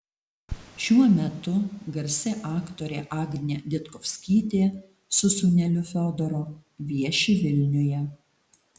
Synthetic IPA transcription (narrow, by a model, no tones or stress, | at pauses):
ʃʲuɔmʲɛt̪ʊɡɐɾʲsʲɛʔɑːkt̪oːɾʲeːʔɑːɡʲnʲed̪ʲɪt̪kɔfʲsʲkʲiːt̪ʲeː | sʊsʊnʲɛlʲʊfʲɔːd̪ɔɾoːʋʲiɛʃʲɪʋʲɪlʲnʲʊjɛ